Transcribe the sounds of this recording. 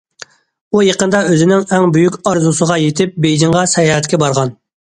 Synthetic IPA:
ujɑqənd̪ɑøzɪnɪŋɛŋbyjykʲɑɾzusəʁɑjet̪ʰɪp̚bejd͡ʒɪŋʁɑsɛjɑːɦɛt̪kʲɛbɑɾʁɑn

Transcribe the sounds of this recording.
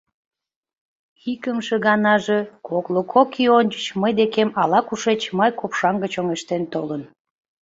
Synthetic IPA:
xikəmʃeɣɑnɑʒekoklokʰokʰionʲt͡ɕət͡ɕməjd̪ekemɑlɑkuʃet͡ɕmɑjkopʃɑŋɡət͡ɕoŋeʃt̪ent̪olən

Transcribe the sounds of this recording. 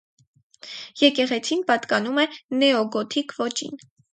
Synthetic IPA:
jɛkɛʁɛt͡sʰinpɑt̪kɑnumɛnɛɔɡɔt̪ʰikvɔt͡ʃḭn

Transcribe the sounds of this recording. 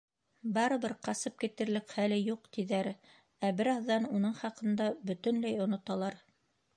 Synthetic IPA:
bɑɾɤ̆βɤɾqɑsɤp̚kit̪ɘ̆ɾlɘkχælɘjuqt̪iðæɾ | æbɘɾɑðːɑnunɤɴχɑqɤ̆nd̪ɑbɵ̆t̪ɵ̆nlæjŏnŏt̪ɑlˠɑɾ

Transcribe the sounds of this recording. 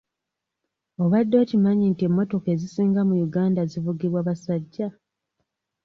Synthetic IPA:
o̞βadːo̞ːcimaɲintiemːo̞to̞ke̞zisiːŋɡamujuɡaːndazivuɡiβwaːβasaɟːa

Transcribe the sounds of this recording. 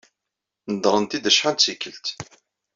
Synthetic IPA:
nəd̪ɾˤənt̪id̪əʃħant̪sikːəlt̪

